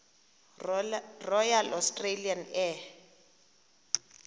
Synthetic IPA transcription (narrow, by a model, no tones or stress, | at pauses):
rɔjalʔɔstʼrelianɛ